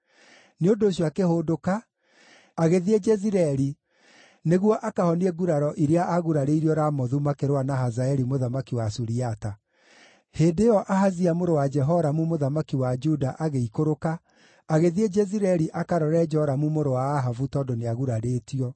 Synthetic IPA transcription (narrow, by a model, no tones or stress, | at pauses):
neondoːɕjɔakehoːdokaː | ɣeðied͡ʒɛziɾɛɾi | neɣwɔʔakahɔniɛɡuɾaɾɔʔiɾeaʔaɣuɾaɾeiɾiɔɾamɔðumakeɾwanaɦazaɛɾimoðamakiwasuɾiata | heːndejɔʔaɦaziamoɾowad͡ʒɛɦɔɾamumoðamakiwad͡ʒudaʔaɣeikoɾokaː | ɣeðied͡ʒɛziɾɛɾiʔakaɾɔɾɛd͡ʒɔɾamumoɾowaːɦavutɔːdoneaɣuɾaɾetiɔ